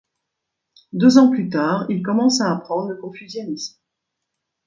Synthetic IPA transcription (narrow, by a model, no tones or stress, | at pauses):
d̪øzɑ̃plyt̪aːʁilkɔmɑ̃saːpχɑ̃d̪ʁləkɔ̃fyzjɔnism